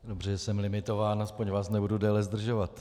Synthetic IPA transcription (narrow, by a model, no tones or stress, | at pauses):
dobr̝ɛsɛmlɪmɪt̪o̞vaːnaspoɲvaːsnɛbududɛːlɛzd̪r̩ʒovat̪